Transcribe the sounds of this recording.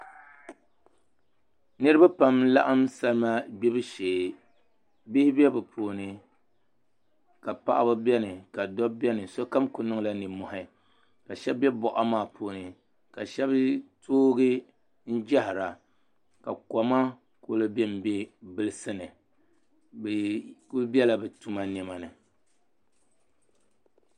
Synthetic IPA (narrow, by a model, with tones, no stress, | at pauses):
nɨ˦ɾɨ˦ba˦pa˨mla̰˦ʔa˦msa˦lma˦bɛ˦bɨ˦ʃeː˨ | bi˦hɪ˦bɛ˦bɨ˨pʰoː˨nɨ˨ | ka˨pa̰˦˨ʔa̰˦bɨ˦bɛ˦nɨ˨ka˨dɔ˦bɛ˦nɨ˨so˦ka˦mkʊ˨nɨ˦ŋ˦la˦nɨ˨mɔ˨hɪ˦ | ka˨ʃɛ˦bbɛ˦bɔ˨ʔa˦maː˦˨pʰoː˨nɨ˨ | ka˨ʃɛ˦bɨ˦tʰoː˦ɡɨ˦ | n̩˦d͡ʒɛ˦hɪ˨ɾa˨ | ka˨kɔ˨ma˦ | ko˦lɨ˦bɛ˦m̩˨bɛ˦bɨ˦lɨ˦sɨ˦nɨ˨ | bku˦bɛ˦la˦bɨ˨tu˦ma˦nɛ˦ma˨nɨ˨